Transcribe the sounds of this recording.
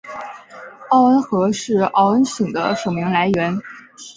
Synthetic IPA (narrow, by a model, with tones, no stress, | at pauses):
ɑ˥˩ʊə˥nxɤ˧˥ʂɻ̩˥˩ɑ˥˩ʊə˥nɕi˨˩ŋd̪ə̰˦ʂo˨˩ʊmi˧˥ŋla˧˥ɪɥɛ˧˥n